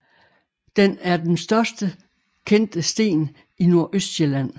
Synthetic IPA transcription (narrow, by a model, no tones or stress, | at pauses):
d̥enæɐd̥ensd̥ɶɐsd̥ə | kʰen̰d̥əsd̥e̝̰ːn | inu̝ɐ̰ʔøsd̥ɕelæn̰